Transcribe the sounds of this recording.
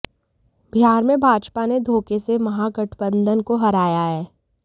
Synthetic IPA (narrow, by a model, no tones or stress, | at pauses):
bʱɪjaːɾmẽbʱaːd͡ʒpaned̪ʱoːkesemɐɦaɡəʈʰbə̃nd̪ʱənkoɦɐɾaːjaɦɛː